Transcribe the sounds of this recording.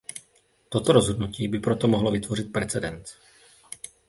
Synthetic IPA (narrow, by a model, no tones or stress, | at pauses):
t̪o̞t̪oɾozɦo̞dnuciːbɪpɾot̪omoɦlovɪt̪vo̞rɪt̪̚pɾɛt͡sɛdɛnt͡s